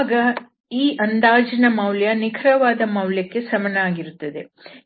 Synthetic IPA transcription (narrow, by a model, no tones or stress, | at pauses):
ɡɐ | iːʔɐnd̪aːd͡ʒɐnɐmɐwljɐnikʰɾɐʋaːd̪ɐmɐwljɐkːe̞sɐmɐnɐaːɡiɾut̪ːɐd̪e̞